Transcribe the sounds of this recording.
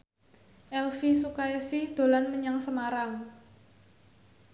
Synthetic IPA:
ʔɛlfisukajasɪhd̪̥o̤lanməɲaŋsəmaɾaŋ

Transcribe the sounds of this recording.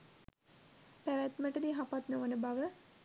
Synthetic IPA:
pæʋæt̪məʈəd̪iɦapat̪noʋənəbaʋə

